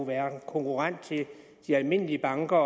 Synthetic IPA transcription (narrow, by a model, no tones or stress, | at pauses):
uʋæːɐkʰɔ̽ŋkʰuʁɑn̰d̥t͡sʰe̝ | d̥iælme̝n̰əliəb̥ɑ̈ŋɡ̥ɐ